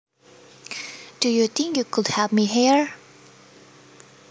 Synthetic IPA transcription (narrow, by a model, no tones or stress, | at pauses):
d̥ujut̪ɪ̃ŋkjukʰʊdhɛlˠpmiɦiɹ